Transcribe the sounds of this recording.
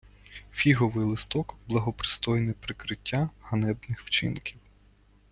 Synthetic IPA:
fʲiɦɔʋɪjlˠɪst̪ɔkblˠɐɦɔpɾɪ̥st̪ɔjnɪjpɾɪkɾɪtʲʰːahɐnɛbnɪxwt͡ʃɪ̰nkʲiw

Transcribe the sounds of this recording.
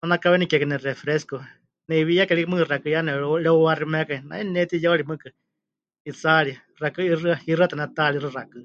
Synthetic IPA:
nanakaβɛnikɛkɨnɛrɛfɾɛsko | nɛiβijakɛɺikmɨ̃kɨrakɨjanɛɺɛuaɾimɛkaina̰ɛnɛt̪ijaoɺimɨkɨ | it͡saɺi | rakɨirɨairɨat̪anɛt̪alirɨrakɨ

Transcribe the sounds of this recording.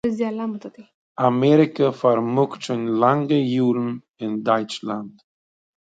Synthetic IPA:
ɪzd̪ialamt̪at̪i | amɛːɾɪkəfaɾmʊkʃɪnlaŋɡəjuːɾn̩ | ɪndɔɪt͡ʃlant

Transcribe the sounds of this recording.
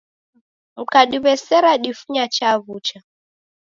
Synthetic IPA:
m̩kaɗiβɛsɛɾaɗifuɲat͡ʃaβut͡ʃa

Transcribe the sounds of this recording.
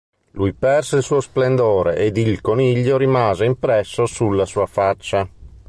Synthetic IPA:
lujpɛrseilsuːosplend̪oːɾeʔed̪ilkoniʎːoɾimaːzeimpɾɛsːosulːasuːafat͡ʃːa

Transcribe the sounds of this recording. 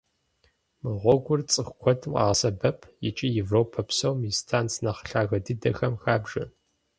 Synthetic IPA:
mɨʁʷɔɡʷʊrt͡sʼɨxʷkʷʰɔtʰmqʼɑ̰ːsɐbɐpʰjɪt͡ʃʼijɪvroːpʰɐpsowmistʰaːnt͡sʰnɐχɬaːɣɐdɨdɐxɐmxaːbʒɐ̰

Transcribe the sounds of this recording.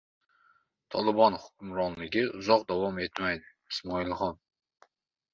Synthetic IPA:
t̪ʰɒlˠɪbɒnhʊ̥kʲʊmɾɒnlɪɡʲɪʊzɒqd̪avɒme̞t̪majd̪ɪːsmɒɪlˠχɒn

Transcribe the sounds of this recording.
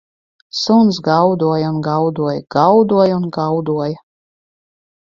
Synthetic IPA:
sunsɡawd̪uɔjaunɡawd̪uɔjɡ̥awd̪uɔjunɡawd̪uɔja

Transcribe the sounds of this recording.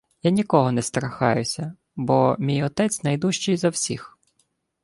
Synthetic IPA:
janʲikɔɦɔnɛst̪ɾɐxɑ̰jʊsʲɐ | bɔmʲijɔt̪ɛt͡sʲnɐjd̪uʃt͡ʃijzɐwsʲix

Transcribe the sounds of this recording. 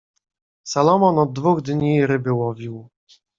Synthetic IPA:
salɔmɔnɔd̪̚ːvuɣd̪ɲiɾɘbɘwɔvʲiw

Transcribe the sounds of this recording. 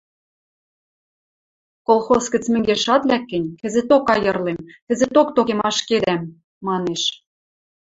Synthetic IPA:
kolˠxoskɘ̆t͡smɘ̆ŋɡeʃɑt̪lækːɘ̆nʲkɘ̆zĕt̪okɑjɤ̆rlemk̪ɘ̆zĕt̪ok̚t̪okemɑʃked̪æmː | ɑneʃ

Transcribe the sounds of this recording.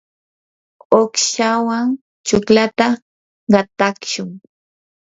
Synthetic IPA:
okʃawaŋ | t͡ʃʊklat̪a | ɢɑt̪akʃʊŋ

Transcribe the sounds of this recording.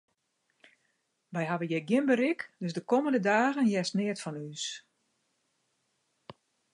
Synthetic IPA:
ʋɛjɦaʋəjɛɡjɪnbəɾikdøsdəkoməndədaːɣənjɛsnɪətfɔnys

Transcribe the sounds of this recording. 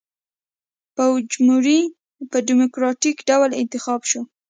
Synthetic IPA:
pawd͡ʒmuɾi | pəɖimʊkɾɑʈikɖawlɪ̰nt̪ɪxɑbʃu

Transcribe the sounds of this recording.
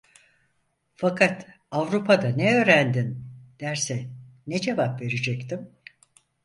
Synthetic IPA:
fakʰat̪ | avɾupʰad̪anɛø̞ːɾænd̪ind̪̥æɾsɛned͡ʒe̞vapve̞ɾed͡ʒɛct̪ʰim

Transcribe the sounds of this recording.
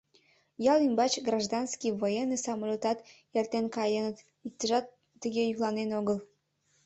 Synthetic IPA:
jɑlymbɑt͡ɕɡrɑʒd̪ɑnskiβojenːəsɑmolʲot̪ɑt̪jert̪enkɑjənət̪ | ik̚t̪əʒɑt̪ː | əɣejyklɑnenoɣəl

